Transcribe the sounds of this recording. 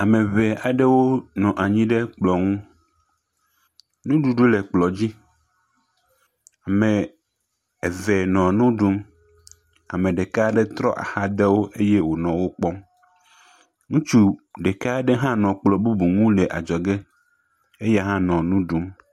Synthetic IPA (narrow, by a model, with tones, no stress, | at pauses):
a˨mẽ˨βe˨a˨ɖe˦wo˦nɔ̃˨ʔa˨ɲĩ˦ɖe˦k͡plɔ˨ŋũ˦ | nũ˦ɖu˨ɖu˦le˨k͡plɔ˨d͡ʑi˦ | a˨mẽ˨ | e˨vɛ˨nɔ̃˨nũ˦ɖu˦m | a˨mẽ˨ɖe˨ka˦ɖɛ˦t̪ɾɔ˦ʔa̰˨ha˦d̪e˦wo˦ʔe˦je˦wo˨nɔ̃˨wo˦k͡pɔ˦m | ŋũ˦t͡ʃu˦ɖe˨ka˦ɖe˦ɦã˦nɔ̃˨k͡plɔ˨bu˦bu˨ŋũ˦le˨ʔa̰˨d͡ʒɔ˨ɡe˦ | e˦je˦ɦã˦nɔ̃˨nũ˦ɖu˦m